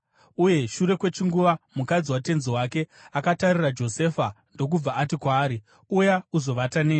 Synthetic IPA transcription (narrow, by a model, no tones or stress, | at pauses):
uje̞ʃuɾe̞kwe̞t͡ʃiŋɡuʋamukad͡ziwate̞nzowake̞akatarirad͡ʒo̞se̞fa | ndo̞k̬ub͡vaːtikwaːɾi | ujauzo̞ʋataneː